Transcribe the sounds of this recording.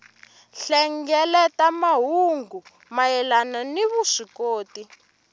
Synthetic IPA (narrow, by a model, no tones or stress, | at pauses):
ɬɛŋɡɛlɛtamaɦuŋɡu | majɛlananiβuʂikoːti